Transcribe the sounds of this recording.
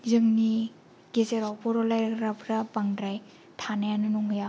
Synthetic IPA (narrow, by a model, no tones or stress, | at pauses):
zɯŋni | ɡezeɾawpʰɔɾɔlajɾkɾapʰɾapaŋdɾaj | tʰanajanɯnɔŋja